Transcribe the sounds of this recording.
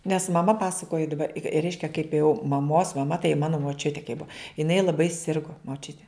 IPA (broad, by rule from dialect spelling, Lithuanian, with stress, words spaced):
nʲɛs mɐˈmɐ ˈpɑːsɐkoːjɪ dɐˈbɐ ɪ ɪ ˈrʲɛɪʃʲkʲɛ kɐɪp jɛʊ mɐˈmoːs mɐˈmɐ tɐɪ ˈmɑːnoː moːˈt͡ʃʲʊtʲeː kɐɪ ˈbʊɐ jɪˈnɐɪ lˠɐˈbɐɪ ˈsʲɪrɡoː moːˈt͡ʃʲʊtʲeː